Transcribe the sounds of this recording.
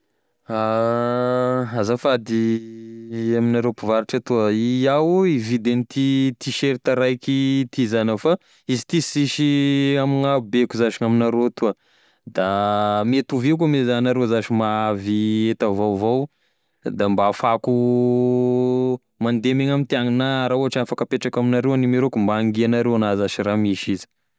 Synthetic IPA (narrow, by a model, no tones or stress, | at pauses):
a | azafad̪i | aminaɾewpivaɾiʈ͡ʂat̪uəiawevid̪enit̪it̪iʃeɾit̪aɾajkit̪izanəfa | izi̥t̪isiʃiamiŋabekuzaʃiŋaminaɾot̪uə | d̪amet̪uvekumezanaɾewzaʃimaaviet̪avawvow | d̪ambafaku | mand̪emeɲamint̪iaŋinaɾauɦaʈ͡ʂiafakəpeʈ͡ʂakaminaɾewanimeɾokumbaːŋɡianaɾewanazaʃiɾamiʃizi̥